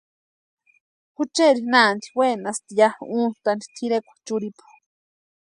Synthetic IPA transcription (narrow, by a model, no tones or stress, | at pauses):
hut͡ʃeɾinaːnd̪i̥wenast̪ijauːn̥t̪and̪i̥t̪ʰiɾekʷḁt͡ʃuɾipʰḁ